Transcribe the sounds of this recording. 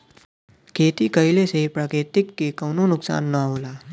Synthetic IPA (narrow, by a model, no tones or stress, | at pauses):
kʰeːt̪ikəɪlesepɾaːkɾeːt̪ɪkːekɐːnonʊksa̰ːnːəɦoːlaː